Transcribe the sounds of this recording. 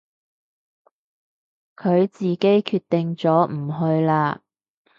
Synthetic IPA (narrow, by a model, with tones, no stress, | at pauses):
kʰɵ˨˧ɥt͡siː˨ke˨˥jkʰyː˧t̪ːɪ˨ŋt͡sɔː˨˥m̩˨˩ɦɵ˧ɥlaː˧